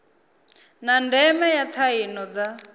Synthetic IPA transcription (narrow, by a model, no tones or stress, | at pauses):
nandɛmɛjat͡sʰainɔd͡za